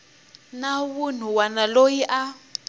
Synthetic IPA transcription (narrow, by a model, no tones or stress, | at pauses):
nawun̤uwanalojiʔa